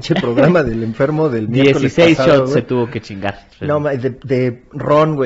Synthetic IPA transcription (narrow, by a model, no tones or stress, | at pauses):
t͡ʃepɾoɣɾamaðeleɱfe̞ɾmo̞ðelmjd̪eekosiesejsaʃoweet̪uβoket͡ʃiŋɡaɾsnomaðed̪eroŋɡwe